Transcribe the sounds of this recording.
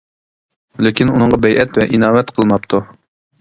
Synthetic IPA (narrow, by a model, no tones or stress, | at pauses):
lekʲinunəɴʁɑbɛjʔɛt̪vɛʔinɑːwɛt̪qʰəlˠmɑpt̪ʰu